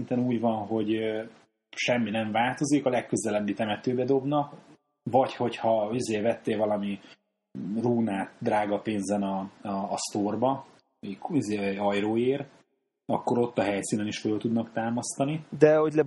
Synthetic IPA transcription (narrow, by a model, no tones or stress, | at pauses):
nt̪ɛnuːɟvɒnɦo̞ɟ | ʃɛmːinɛɱvaːlt̪o̞zikɒlɛkːøzɛlɛbːit̪ɛmɛt̪øːbɛd̪o̞bnɒk | vɒcho̞chɒizeːvɛt̪ːeːlvɒlɒmi | ruːnaːt̪d̪ɾraːɡɒpeːnzɛnɒːst̪orbɒ | ikizeːɒjroːeːr | ɒkːo̞ɾo̞t̪ːɒɦɛjsiːnɛniʃføːlt̪ud̪nɒkt̪aːmɒst̪ɒnid̪ɛɦoɟlɛ